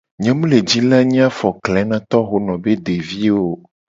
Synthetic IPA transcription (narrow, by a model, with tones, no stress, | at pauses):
ɲɛ̃˨mũ˦le˨d͡ʑi˦la˦ɲĩ˦a˦fɔ˨klɛ˨˦nã˦t̪ɔ˦xo˦nɔ̃˨be˦ɖe˨vi˦wo˦